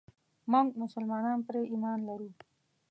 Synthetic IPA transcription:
mʊŋɡmʊsəlmɑnɑnpɾeʔimɑnlaɾu

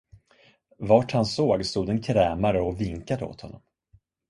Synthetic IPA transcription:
vaːʈhansoːɡst̪uːd̪ɛnkʰɾɛːmaɾəɔvɪŋkad̪əo̰ːt̪hɔ̰nːɔ̰m

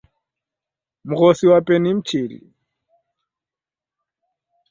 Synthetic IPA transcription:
mʊɣosiwapʼɛnɪm̩t͡ʃʰeːlḭ

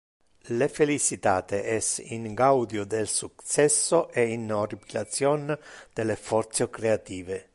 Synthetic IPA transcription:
lefelit͡ʃit̪aːt̪eʔɛsḭŋɡawd̪jod̪elsuktsɛsːoʔeinoripilat̪sjɔnd̪̥elefɔɾt̪sokɾeat̪iːve

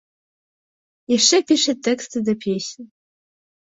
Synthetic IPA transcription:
jɛʂt͡ʂɛpʲiʂɐt̪ʰːɛkst̪ɨd̪ɐpʲʰesʲnʲ

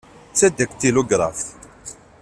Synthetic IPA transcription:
t͡sːæd̪ækt̪ːiluɡɾˤɑf

